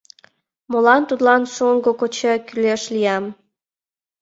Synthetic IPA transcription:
molɑnt̪ut̪lɑnʃuŋɡokot͡ɕəkyleʃlijɑm

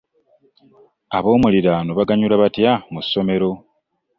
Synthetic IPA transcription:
aβo̞ːmuliɾanoβaɡaɲulaβatjamusːo̞me̞ɾo̞

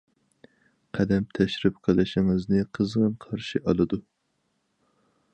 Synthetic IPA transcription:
qʰɛd̪ɛmt̪ʰɛʃɾɪp̚qʰɑlˠɨʃɪŋɨznɨqʰəzʁɨnqʰɑɾʃiʔɑlˠɨd̪u

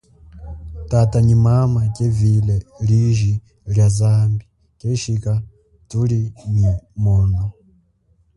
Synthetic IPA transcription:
taːtaɲimamacevileliʒi | ljazaːmbi | ceʃika | tuliɲimono

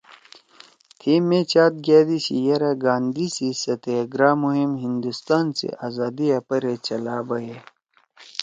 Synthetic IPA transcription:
t̪ʰimːet͡ɕaːt̪̚ɡaːd̪isḭjɐɾɐɡaːnd̪isisɐt̪eɡɾaːmuɦimɦind̪ust̪aːnsḭʔazaːd̪iɐpɐɾet͡ɕɐlaːbɐje

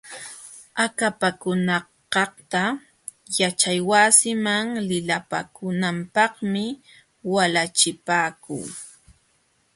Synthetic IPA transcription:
akapakʊnɑ | qɑht̪a | jat͡ʃajwasɪmaŋlɪlapa̰kʊnampɑχmɪ | walat͡ʃɪpaːkʊ̰ŋ

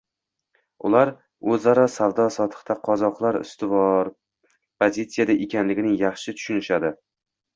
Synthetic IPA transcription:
ʊ̰laɾ | ɵzaɾɒsavd̪ɒsɒt̪ʰɨ̥χt̪ʰaqʰɒzɒqlˠaɾʊ̰st̪ɪvɒɾ | pʰozʲit̪sijad̪aʔekʲʰanlɪɡʲɪnɪŋjɑχʃɪt̪ʰʊ̥ʃʊnɪʃad̪ɪ

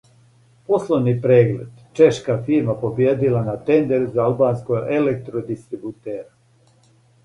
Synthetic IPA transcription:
po̞slˠoʋnipɾeːɡlḛd̪t͡ʃe̞ʃkafiɾmapo̞bjeːd̪ilanat̪end̪eɾuzaalˠbaːnskoɡelek̚t̪ɾod̪ist̪ɾibut̪eːɾa

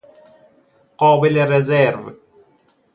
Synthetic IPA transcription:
qɔːbɪlerezɛɾv

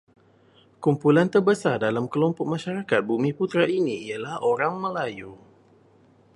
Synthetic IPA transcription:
kumpulant̪ərbəsardalamkəlɔmpʊk̚mãʃaɾakat̪̚bumĩput̪ɾainĩialahoɾaŋməlaju

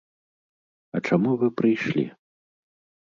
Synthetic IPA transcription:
ɐt͡ʂamuvɨpɾɨjʂlʲḭ

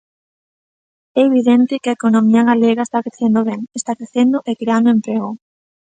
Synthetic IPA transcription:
ɛeβiðɛnt̪ɪkɪɐekonomiɐɣaleɣaest̪akɾeθend̪oβɛŋest̪akɾeθend̪ʊʔekɾeand̪ʊempɾeɣʊ

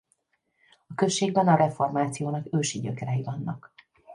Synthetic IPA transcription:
ɒkø̞ʃːeːɡbɛnɒɾɛfo̞rmaːt̪sijoːnɒkøːʃiɟøkɛɾɛjivɒnːɒk

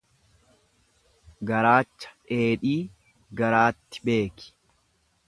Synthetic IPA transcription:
ɡɐɾaːt͡ʃːɐ̥ᶑe̞ːᶑiː | ɡɐɾaːt̪ːɪ̥be̞ːkɪ̥

